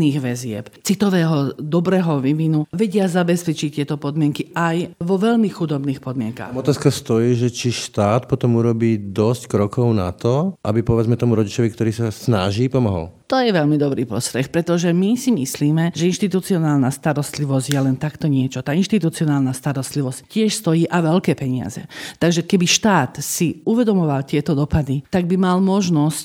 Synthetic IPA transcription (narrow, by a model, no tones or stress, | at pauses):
iːɣʋɛzɪɛ̰pt͡sit̪ɔʋɛːɦɔd̪ɔbɾɛːɦɔʋiʋinuʋɛɟɪazabɛspɛt͡ʃict̪ɪɛt̪ɔpɔd̪mɪɛŋkiajʋɔʋɛʎmixud̪ɔbniːxpɔd̪mɪɛŋka̰xɔt̪aːskast̪ɔjiːʒɛt͡ʃiʃt̪aːt̪pɔt̪ɔmuɾɔbiːd̪ɔsckɾɔkʰɔʊna̰t̪ɔʔa̰bipɔʋɛd͡zmɛt̪ɔmuɾɔɟit͡ʃɔʋikt̪ɔɾiːsasnaʒiːpɔmɔɦɔ̰lt̪ɔjɛʋɛlmid̪ɔbɾiːpɾɔ̰st̪ɾɛxpɾɛt̪ɔʒɛmisimisliːmɛʒɛinʃt̪it̪ut͡siɔnaːlnast̪aɾɔst̪liʋɔzɟjɛlɛnt̪akt̪ɔɲɪɛt͡ʃɔt̪aːinʃt̪it̪ut͡siɔnaːlnast̪aɾɔst̪liʋɔsccːɪɛʃst̪ɔjiːʔaʋɛlkɛːpɛɲɪa̰zɛ̰t̪aɡʒɛkɛbiʃt̪aːt̪siuʋɛd̪ɔmɔʋalt̪ɪɛt̪ɔd̪ɔpad̪it̪aɡ̚bimalmɔʒnɔsc